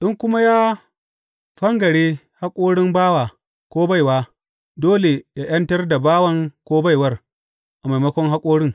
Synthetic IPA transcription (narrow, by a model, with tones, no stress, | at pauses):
ʔɪ˦ŋkʷʊ˦ma˦jaː˦ | ɸɐ˦ŋɡɐ˨ɽeː˦ | ha˦kʷʼoː˦ɽɪ˦mbaː˦waː˨ | kʷoː˦ba˦jwaː˦ | doː˦le˨jaː˦j̰ɐ˦ntɐ˦rda˨baː˦wɐ˦ŋkʷoː˦ba˦˨jwɐ˦r | ʔa˨ma˨jmɐ˦kʷɔ˦ŋɦa˦kʷʼoː˦ɽɪ˦ŋ